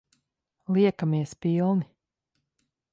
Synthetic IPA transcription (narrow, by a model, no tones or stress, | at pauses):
lˠiɛkamiɛspilˠni